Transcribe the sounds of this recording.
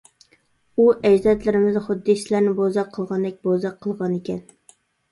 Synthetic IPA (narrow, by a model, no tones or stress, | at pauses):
uʔɛd͡ʒd̪ɛt̪lɪɾɪmɪzχʊd̪ːisɪlæɾnɪbozɑqʰːəlˠʁɑnd̪ɛk̚ʲbozɑqʰːəlˠʁɑnekʲɛn